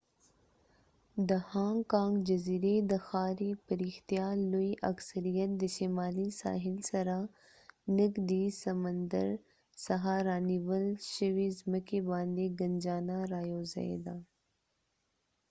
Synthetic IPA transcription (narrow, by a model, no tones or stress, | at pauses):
d̪ɐhãːŋkãːŋɡd͡ʒɐziːɾed̪ɐxaːɾipəɾiːxt̪ijaːloiʔɐksəɾijət̪̚d̪əʃimaːlisa̰ːɦɪlsɐɾa | nɪkd̪isɐmənd̪ə̰ɾ | sɐɦaːɾaːniwəlʃəʋizməkebaːnd̪eɡɐnd͡ʒaːnaɾaːjoːzɐ̰ḛd̪aː